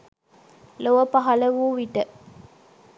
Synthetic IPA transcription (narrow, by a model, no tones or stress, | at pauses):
loʋəpɐɦɐləʋuːʋiʈə